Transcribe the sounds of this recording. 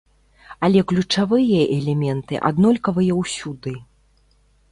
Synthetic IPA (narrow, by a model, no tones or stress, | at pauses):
ɐlʲɛklʲut͡ʂavɨjɐʔɛlʲɛmʲɛnt̪ɨ̰ʔa̰d̪nɔlʲkɐvɨjɐwsʲud̪ɨ